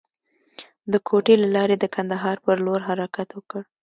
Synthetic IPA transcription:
d̪əkʰoʈelalɑɾed̪əkʰand̪aɦɑɾpəɾloɾɦaɾakat̪wəkəɽ

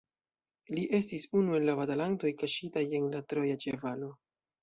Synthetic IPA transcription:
liʔe̞s̬tisunue̞nlavatalanto̞jkaʃitaje̞nlatɾo̞jat͡ʃevalo̞

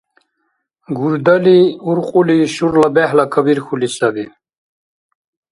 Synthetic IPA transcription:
ɡuɾd̪əliuɾqʼuliʃuɾlabehlakʰəbiɾxulisabi

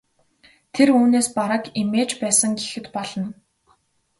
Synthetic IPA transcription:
t̪ʰeruːneːspaɾăkimeːt͡ɕpæːsə̆ŋɡexɘ̆t̪pɔɮɞ̆n

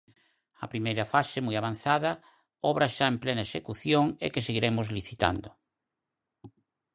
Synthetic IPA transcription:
ɐ̰pɾimejɾɐfasemojaβ̞an̟θaðɐ | ɔβɾaʃaemplenɐeʃekuθjoŋḛkeseɣiɾemʊzliθit̪a̰nd̪ʊ

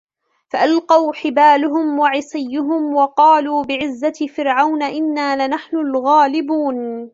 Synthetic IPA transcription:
faʔalqɑwħɪbaːlʊɦʊmwaʕɪsˤɪjːʊɦʊmwɑqɑːluːbɪʕɪzːafɪɾʕawnaʔɪnːaːlɪnaħnʊlɣaːlɪbuːn

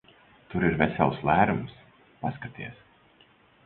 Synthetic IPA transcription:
t̪ʊɾɪɾvʲɛsʲɛlˠslˠæːɾums | paskat̪ʲiɛs

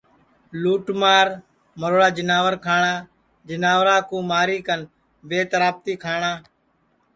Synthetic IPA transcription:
luːʈmaːɾ | məɾoːɽaːd͡ʒɪnaːʋəɾkʰaːɳãː | d͡ʒənaːʋɾaːkũːmaːɾiːkən | beːt̪ɾaːb̚t̪iːkʰaːɳaː

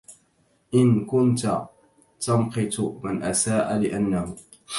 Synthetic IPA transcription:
ʔɪnkʊnt̪a | t̪amqɪt̪ʊmanʔasaːʔalɪʔanːahʊ

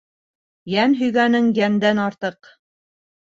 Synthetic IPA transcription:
jænɦɵ̆jɡænɘŋjænd̪ænɑɾt̪ɤq

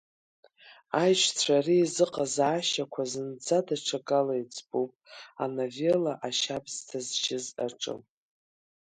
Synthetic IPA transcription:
ajʒʷt͡sʷʰariːzɨqʼazaaːʃakʷʰazɨnd͡zadaʈ͡ʂʷʰaɡʼalajd͡zʼbupʼa̰navelaʔaʃabz̥tʰazʒɪza̰ʈ͡ʂʼɨ̰m

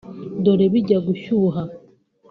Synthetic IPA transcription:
doɾeβiɟaɡuʃuɦa

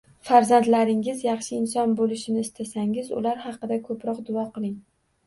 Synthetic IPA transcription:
faɾzant̪laɾɪŋɪzjɑχʃɪɪnsɒnbolɪʃɪnɪɪst̪ʰasaŋɪzʊ̰laɾhɑqɨd̪akʰɵpʰɾɒqd̪ʊɒqʰɨlˠɪŋ

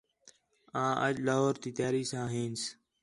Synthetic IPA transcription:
ãːʔəd͡ʒlaːɦoːɾt̪iːt̪jaːɾiːsãːɦẽːns

